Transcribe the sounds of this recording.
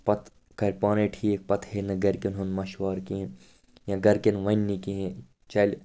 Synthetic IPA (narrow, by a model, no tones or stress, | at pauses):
pɐt̪ | kɐɾʲpaːneʈʰiːek̚pɐt̪heːnɐɡɐɾʲkʲinɦunmɐʃʋaːɾkĩ | jãɡɐɾkʲɐnʋɐnːikiẽ | t͡ʃɐlʲ